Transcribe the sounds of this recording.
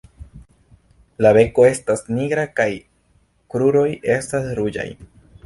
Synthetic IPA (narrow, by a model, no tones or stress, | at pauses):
laβe̞ko̞e̞stasniɡɾakaj | kɾuɾo̞je̞stasɾud͡ʒa̰j